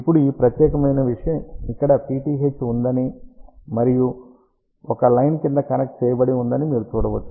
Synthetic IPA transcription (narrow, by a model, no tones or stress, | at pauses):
ipːuɽuiːpɾɐt̪jɛːkɐmɐjnɐʋiʂɐjɐmikːɐɽɐpiːʈiːɦet͡ʃːund̪ɐnimɐɾiju | ɔkɐlɐjnkind̪ɐkɐnɐk̚ʈ̚t͡ʃɛːjɐbɐɽiund̪ɐnimiːɾut̪uːɽɐʋɐt͡ʃːu